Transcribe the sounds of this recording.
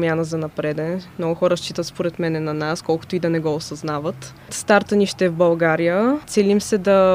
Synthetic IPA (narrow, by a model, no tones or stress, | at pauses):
mʲjanəzɐnɐpɾɛd̪ɛnmnɔɡʊxɔɾəʃt͡ʃit̪ət̪spoɾɛt̪mɛnɛnɐnaskɔlˠkʊ̥t̪oid̪ɐnɛɡɔosɐznavət̪ | st̪aɾt̪əniʃt̪ɛvbɐlˠɡaɾijət̪sɛlimsɛd̪ɐ